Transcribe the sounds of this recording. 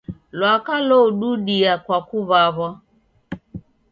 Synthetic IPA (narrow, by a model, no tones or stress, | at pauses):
lwakalɔuɗuɗiakwakuβaβɔ